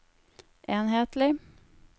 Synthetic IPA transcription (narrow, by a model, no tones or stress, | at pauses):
ʔeːnɦeːt̪lɪ